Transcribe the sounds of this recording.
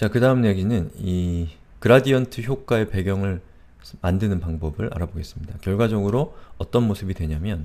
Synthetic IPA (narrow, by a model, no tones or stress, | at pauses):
t͡ɕakɯdaɯmɲe̞ɡinɯni | kɯɾadiʌntʰɯçjok͈ae̞pe̞ɡjʌŋɯɭ | mandɯnɯnpaŋbʌbɯɾʔa̰ɾaboɡe̞s͈ɯmɲidakjʌɭɡwad͡ʑʌɡɯɾoʌt͈ʌnmosʰɯbidwe̞ɲamjʌn